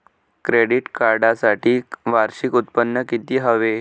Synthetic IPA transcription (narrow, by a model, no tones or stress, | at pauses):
kɾeɽiʈkaɾɖasaʈʰiːʋaɾɕikut̪̚pənːəkit̪iːɦəʋe